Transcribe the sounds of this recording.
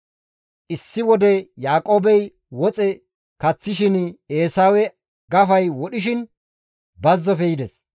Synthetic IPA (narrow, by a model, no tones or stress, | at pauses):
ʔɪsːɪwɔd̪ɛjaːkʼo̞ːbɛj | wɔt͡sʼɛ | kɐt͡sːɪʃɪneːsaːwɛ | ɡɐfɐjwɔɗɪʃ̬ɪn | bɐzːɔfɛjɪd̪ɛs